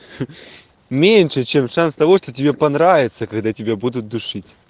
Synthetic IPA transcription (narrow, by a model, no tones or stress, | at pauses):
mʲenʲʂɨt͡ɕemʂanst̪ɐvo̞ʂt̪otʲɪbʲepɐnɾavʲɪt̪səkɐɡd̪atʲɪbʲabud̪ʊt̪̚d̪ʊʂɨtʲ